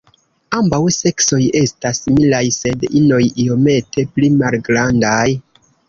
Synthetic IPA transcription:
ambawse̞kso̞je̞stasmilajse̞dino̞jio̞me̞tʰe̞plimalɡɾandaj

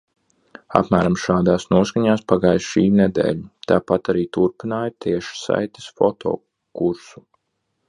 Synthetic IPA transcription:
a̰pmæːɾamʃaːd̪aːsnuɔskaɲaːspaɡaːjʃiːnɛd̪ḛːʎut̪aːpat̪aɾiːt̪uɾpinaːjt̪ʰiɛʃsa̰jt̪e̥sfɔt̪ʰɔ̰ː | kuɾsu

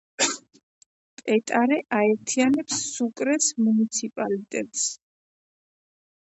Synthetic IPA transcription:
pʼɛt̪ʼaɾɛʔaɛɾt̪ʰianɛpsːukʼɾɛsmunit̪sʰipʼalit̪ʼɛt̪ʼs

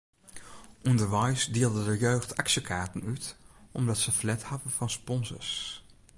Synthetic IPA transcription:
ʔundəɹʋɑjsdeːlˠdədəɹjøːχtɑkʃəkaːɹtənytʔɔmdɑtsəflɛthɑdəvɑnspɔnzə̰ɹs

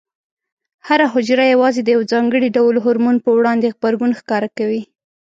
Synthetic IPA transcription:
haɾaɦʊd͡ʒɾajawɑzed̪əjawd͡zɑŋɡəɽiɖawlɦʊɾmunpəwɽɑnd̪eɣbaɾɡunxkɑɾakawi

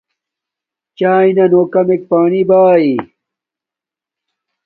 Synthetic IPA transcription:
t͡ɕaːinɐnoːkɐmek̚paːnibaːi

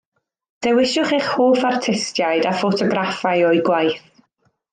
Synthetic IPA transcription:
d̥ɛwɪʃʊχeχhoːfartʰɪstjajdafotʰɔɡɾafajɔjɡwajθ

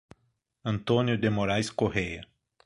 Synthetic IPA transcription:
ɐ̃nt̪õnjʊd̪emoɾajskoɦejɐ

